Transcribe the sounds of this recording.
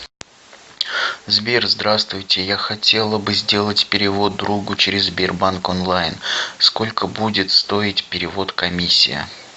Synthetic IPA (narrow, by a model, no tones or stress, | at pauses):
zbʲerzd̪ɾast̪vʊjtʲɪjaxɐtʲe̞lˠəbɨzʲdʲe̞lˠətʲpʲɪɾʲɪvo̞d̪̚ːɾuɡʊt͡ɕɪɾʲɪzbʲerbankonlˠajnsko̞lʲkəbudʲɪt̪st̪o̞ɪtʲpʲɪɾʲɪvo̞t̪kɐmʲisʲːɪ̰jɪ̰